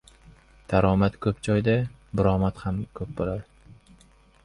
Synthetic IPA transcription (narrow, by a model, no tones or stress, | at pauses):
d̪̥ʰaɾɒmat̪kʰɵp̚d͡ʒɒjd̪a | bʊɾɒmat̪hamkʰɵp̚bolaɾ